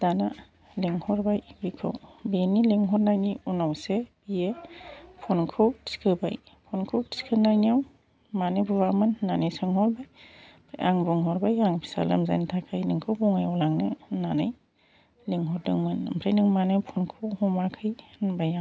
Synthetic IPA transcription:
d̥ana | leŋhɔɾbajbikʰɯ̰wbienileŋɦɔɾnajniunawsebiepʰɔnkʰɯwtsi̥kʰɯba̰j | pʰɔnkʰɯwti̥si̥kʰɯnajnijaw | manɯbɯwamɯnːanɯjsɯŋhɔɾbaj | pʰja̰ŋbɔŋɦɔɾbajaŋpʰi̥sa̰lɯ̰mza̰jntʰakʰajniŋkʰɯwbɔŋajawlaŋnɯnanɯj | leŋɦɔɾdɯŋmɯnmpʰɾajnɯŋmanɯpʰɔnkʰɯwhɔmakʰɯjnbajaŋ

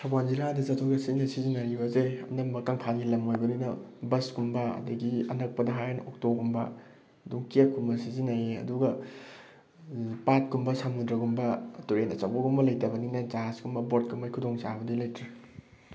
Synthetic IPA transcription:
sʰawanziɾadɐzɐtʰoɡɐsinɐsizinaɾibɐzeɐ̰nɐmːɐkaŋpʰanɡilɐmojbɐninɐbɐskumbɐɐ̰dɐɡiɐ̰nɐk̚pɐdɐɦajnɐʔok̚toɡumbɐ̰ | ɐduŋkiap̚kʰumbɐsizinajiɐ̰duɡɐ | pat̚kumbɐsamɡudɾɐɡumbɐtuɾenɐt͡ʃawbɐɡumbɐlɐjtɐbɐniŋnɐd͡ʒaɦaskumbɐbot̚kʰumbajkʰudoŋsabɐdilɐjtɾɐ

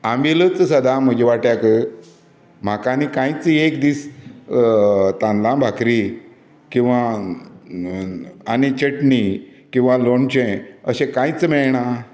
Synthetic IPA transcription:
ãmʋilət͡ssəd̪am̤əd͡ʑeʋaʈjakə | m̤akanikãjt͡siekd̪iːs | t̪ãnlãbʱakɾi | kĩw̃ʋa | añit͡ɕəʈnikĩw̃ʋaloɳt͡ɕẽəɕẽkãjt͡smɛɭɳa

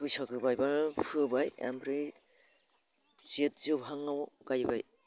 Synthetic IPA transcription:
dujsakɯbajbapʰɯbaja̰mpʰɾi | siet̚zobʱaŋːawɡajba̰j

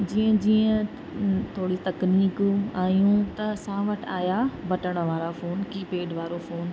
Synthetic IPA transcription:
d͡ʑiːə̃d͡ʑiːə̃ | t̪ʰoːɽit̪ɐkniːkaːjũt̪ɐsãːʋɐʈʰaːjabɐʈəɽ̃ə̆ʋaːɾafoːnkiːpeːɖʋaːɾofoːn

